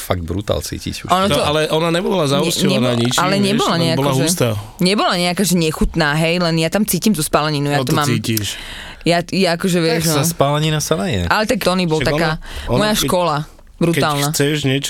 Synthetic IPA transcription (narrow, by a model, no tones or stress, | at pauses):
faɡ̚d̪̚bɾṵt̪a̰lt͡sḭːcḭcuʃɔnɔt̪ɔalɛʔɔnaɲɛbɔlazausɛɲɛnaɲit͡ʃalɛɲɛbɔlaɲɛabɔklaɦuʒɛt̪aːɲɛbɔlaɲɛakaːʒɛɲɛxut̪naːɦɛjlɛnjat̪amt͡siːcimt̪uspalɛɲinujat̪ɔmaːmiciʃ | jajaakɔʒɛʋɪɛʒnaspalɛɲinasanajɛ̰alɛt̪akt̪ɔnibɔlˠt̪akaːmɔjjaʃkɔla | bɾukt̪aːlˠnat͡sɛʃɲɛt͡ʃ